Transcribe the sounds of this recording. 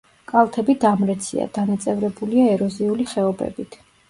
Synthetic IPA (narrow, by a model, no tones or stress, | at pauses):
kʼalˠt̪ʰɛbid̪amɾɛt̪sʰḭa̰d̪̥anat̪sʼɛvɾɛbuliaɛɾɔziuliχɛɔbɛ̰bit̪ʰ